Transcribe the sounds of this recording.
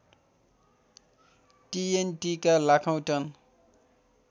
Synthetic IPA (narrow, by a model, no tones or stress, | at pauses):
ʈienʈikalakʰaw̃tʌn